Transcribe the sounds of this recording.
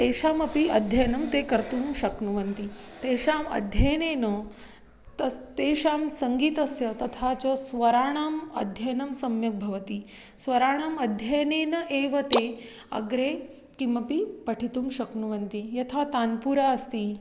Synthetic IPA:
t̪eːʃaːmɐpiɐd̪ʱjɐjnɐmt̪eːkɐɾt̪uːmʃɐknuʋɐnt̪i | t̪eːʃaːmɐ̰d̪ʱjɐjneːnə | t̪ɐst̪eːʃaːmsɐŋɡiːt̪ɐsjɐt̪ɐt̪ʰat͡ʃəsʋɐɾaːɳ̃aːmɐ̰d̪ʱjɐjnɐmsɐmjɐk̚bʱɐʋɐt̪i | sʋɐɾaːɳ̃aːmɐd̪ʱjɐjneːnɐʔeːʋɐt̪e | ɐ̰ɡɾeː | kimɐpipɐʈʰit̪uːmʃɐknuʋɐnt̪ijɐt̪ʰat̪aːnpuːɾaɐst̪iː

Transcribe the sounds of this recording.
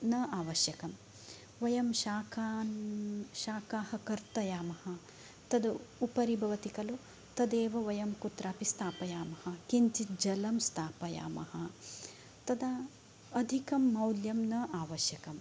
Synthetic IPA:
nɐaːʋɐʃjɐkɐm | ʋɐjɐmʃaːkʰanʃaːkaːhɐkɐɾt̪ɐjaːmɐhɐ̆ | t̪ɐd̪upɐɾibʱɐʋɐt̪ikɐlu | t̪ɐd̪eːʋɐʋɐjɐmkut̪ɾaːpist̪ʰaːpɐjaːmɐhɐkint͡ʃid͡ʒɐlɐmst̪ʰaːpɐja̰ːmɐ̰hɐ | t̪ɐd̪aː | d̪ʱikɐmːɐwljɐmnɐaːʋɐʃjɐkɐm

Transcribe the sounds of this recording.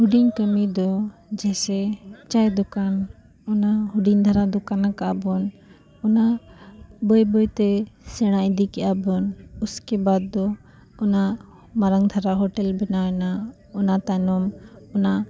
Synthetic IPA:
huɖiɲkəmid̪ɔd͡ʒɛsɛt͡ʃajd̪ɔkan | ɔnahuɖiɲd̪ʱaɾad̪ɔkanakaʔabɔn | ɔna | bəjbɔjt̪ɛsɛɽ̃aʔd̪ikɛʔabɔnuskɛbad̪̚ːɔ | ɔna | maɾaŋd̪ʱaɾaɦɔʈɛlbɛnaɛna | ɔnat̪anɔmɔna

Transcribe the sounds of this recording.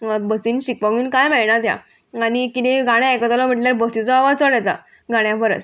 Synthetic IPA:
bəsiːnɕikʋãɡuːnkajmɛɭɳat̪ja̰ | anikit̪eɡaɽ̃jaekət̪alam̤əʈljaɾbəsit͡sɔaʋad͡zt͡səɽɛt̪a̰ | ɡaɽ̃jafəɾə̰t͡s

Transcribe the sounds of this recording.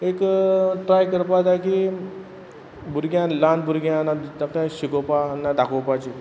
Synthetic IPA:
ekʈɾajkəɾpat̪ajki | bʱuɾɡjãlanbuɾɡjãnad̪akt̪ãɕikopanːad̪akʰopat͡ɕi

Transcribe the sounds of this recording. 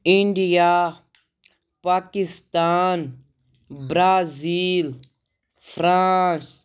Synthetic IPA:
iɳɖija | paːkist̪aːn | bɾaːziːl | fʰɾãːs

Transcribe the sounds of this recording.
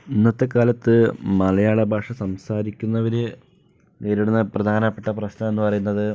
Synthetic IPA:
inːɐt̪ːɐkːaːlɐt̪ːɨmɐlɐjaːɭɐbʱaːʂɐsɐmsaːɾikʲːunːɐʋɐɾe | neːɾiɽunːɐprɐd̪ʱaːnɐpːeʈːɐprɐɕnɐe̞nːɨpɐrɐjunːɐðɨ

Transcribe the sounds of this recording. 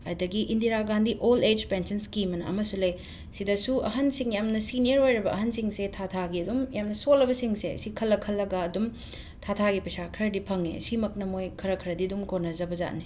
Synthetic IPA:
ɐdɐɡiʔindiɾaɡandiʔoled͡ʒpensɐnskimɐnɐ̰ɐ̰mɐsulɐj | sidɐsuɐ̰ɦɐnsiŋjamnɐsinijɐɾɦojɾɐbɐɐɦɐnsiŋsetʰatʰaɡiɐdumjamnɐsolːɐbɐsiŋseɐ̰sikʰɐlːɐkʰɐlːɐɡaːdum | tʰatʰaɡipɐsakʰɐɾdipʰɐŋḛsimɐk̚nɐmojkʰɐɾɐkʰɐɾɐdidumkonɐzɐbɐza̰tni

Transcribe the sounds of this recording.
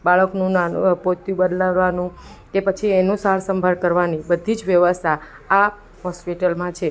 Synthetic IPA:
baɭəknũnapot̪jũbəd̪laʋːanũkepət͡ʃʰienũsaɭsə̃mbʱaɭkəɾʋanibəd̪ʱid͡ʒʋjəʋəst̪ʰaː | ɦɔspiʈəlmãt͡ʃʰe

